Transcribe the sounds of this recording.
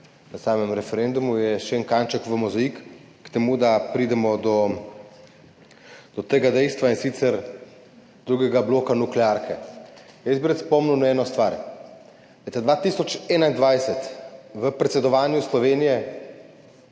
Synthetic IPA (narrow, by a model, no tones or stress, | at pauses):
nɐsaːmɛmɾɛfɛɾend̪umujɛʃɛŋkant͡ʃɛkʋəmuzaikː | t̪ɛmud̪apɾiːd̪ɛmɔd̪ɔ | d̪̥ɔt̪eːɡad̪ɛjst̪ʋainsit̪sɛɾ | d̪̥ɾuːɡɛɡabloːkanuklɛaɾkʰɛjɛsbiɾət̪spɔmnuwnɛːnɔst̪ʋaːɾ | ɛt̪ad̪ʋaːt̪isɔt͡ʃɛːnaind̪ʋajsɛt̪ʋəpɾɛt̪sɛd̪ɔʋaːnjuslɔʋeːnijɛ